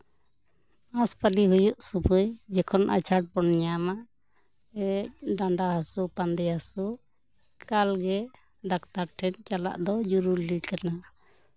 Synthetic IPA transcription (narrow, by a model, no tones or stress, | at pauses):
aspaliɦujuʔsubujd͡ʒɛkʰɔnʔa̰t͡ʃʰaʈ̚bɔnɲamaʔ | ɛɖaɳɖaɦasupand̪ɛasu | kalɡɛ | d̪akt̪aɾʈʰɛnt͡ʃala̰ʔd̪ɔd͡ʒuɾulikana